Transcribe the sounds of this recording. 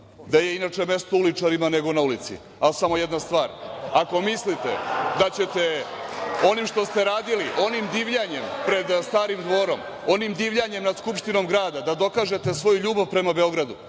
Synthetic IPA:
d̪aje̞inat͡ʂe̞me̞st̪oulit͡ʂaɾimane̞ɡo̞naulit̪sḭ | alsamo̞jed̪nast̪ʋaːɾako̞mislit̪e̞̰d̪at͡ɕe̞t̪e̞ | o̞nimʃt̪o̞st̪e̞ɾaːd̪iliʔo̞nimd̪iːʋʎaɲe̞mpɾe̞d̪st̪aːɾimd̪ʋo̞ɾo̞m | o̞nimd̪iːʋʎaɲe̞mnad̪skupʂt̪ino̞mɡɾaːd̪ad̪ad̪o̞kaʒe̞t̪e̞sʋo̞juʎuːbaʋpɾe̞mabe̞o̞ɡɾad̪u

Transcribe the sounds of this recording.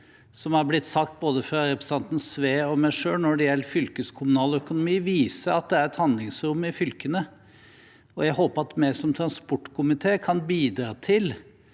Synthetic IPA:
sɔmhɑɾblɪt̪ːsɑkt̪̚boːd̪əfɾɑɾɛpɾəsɑnt̪n̩sʋeːɔmæɪʂøːlnɔɖɛjɛlːfʏlkəskʰʊmʉnɑːlœkʊnʊmiːʋiːsəɾɑt̪̚d̪ɛæɾɛt̪hɑnd̪lɪŋsɾʊmːɪfʏlkənə | ɔjæɡɦoːpəɑt̪mæsɔmt̪ʰɾɑnspɔʈːkʰʊmɪt̪ʰeːkʰɑnbiːd̪ɾɑːt̪ʰɪl

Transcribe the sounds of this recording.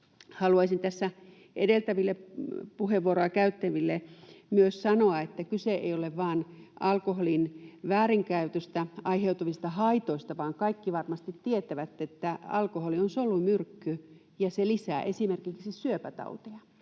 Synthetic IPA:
hɑluɑisint̪æsːæ | ʔedelt̪æʋilːepuheʋːuoɾoɑkæyt̪ːæʋilːemyøssɑnoɑet̪ːækyseʔḛijoleʋʋɑːnʔɑlkoholinʋæːriŋkæyt̪øst̪æɑiheut̪uʋist̪ɑhɑit̪oist̪ɑʋɑːŋkɑikːiʋɑrmɑst̪it̪tiet̪æʋæt̪ːet̪ːæɑ̰lkoholionsolumyrkːy | jɑselisæ̰ːʔesimerkiksisyøpæt̪ɑ̰ut̪eɑ

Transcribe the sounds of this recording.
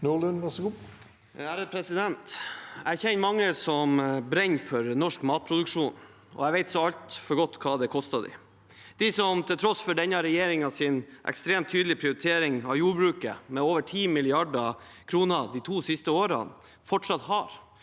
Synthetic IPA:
nulʉnʋɛsu | æːɾəd̪̚pʰɾɛsɪd̪ɛnt̪æɪçɛnːmɑŋːəsɔmbɾɛɲfɔɾnɔʂkmɑːt̪̚pʰɾʊd̪ʉkʂuːn | ɔ̰æʋɛɪt̪sɔɑlt̪fɔɾɡɔt̪ːkʰɑːd̪ɛkʰɔst̪ɑd̪ɪ̰ | d̪̥ɪsɔmt̪ʰɪlt̪ʰɾɔsfɔɖɛnɑɾɛjeːɾɪŋɑsɪnʔɛ̰kst̪ɾeːmt̪ʰːyːd̪lɪpʰɾɪʊɾɪt̪ʰeːɾɪŋɑʋjuːɾbɾʉːkə̰mɛoːʋəʈʰiːmɪlɪɑɖɑ | kʰɾuːnəd̪it̪ʰuːsɪst̪əoːɾə̰n | fɔʈʂɑt̪hɑɾ

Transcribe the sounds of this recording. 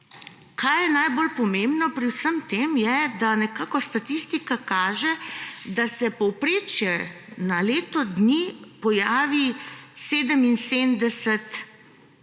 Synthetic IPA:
kʰajjɛnajbolpɔmembnɔpɾiwsəmt̪emjɛd̪anɛkaːkɔst̪at̪ist̪ikakaːʒɛd̪asɛpɔwpɾeːt͡ʃjɛ | naleːt̪ɔd̪nipɔjaːʋiseːd̪əminseːnd̪ɛsɛt̪

